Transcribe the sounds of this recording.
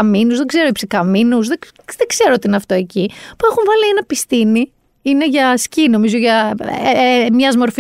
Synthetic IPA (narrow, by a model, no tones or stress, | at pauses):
ɐminuzðeɡze̞ɾoipsikɐminuzðe | ðeɡze̞ɾoot̪iineɐft̪o̞e̞cipue̞xuɱvɐlienɐpist̪ini | ine̞ʝɐscino̞mizo̞ʝɐ | mɲɐzmo̞ɾf